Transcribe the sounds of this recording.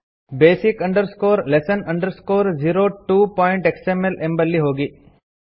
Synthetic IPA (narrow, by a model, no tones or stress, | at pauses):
beːsikɐ̃ɳɖəɾskoːɾlesənɐ̃ɳɖəɾskoːɾd͡ʒiːɾoːʈuːpɔːɪ̃ɳʈeksemelʔembɐlːiɦoːɡi